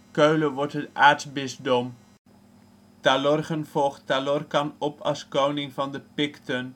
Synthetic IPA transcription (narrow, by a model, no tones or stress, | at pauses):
køɥləʋɔɹtɦətaːɹtsbɪsdɔm | talɔrχənv̥ɔlˠχtalɔrkɑnɔpʰɑ̰lˠskownɪŋvɑndəpɪktən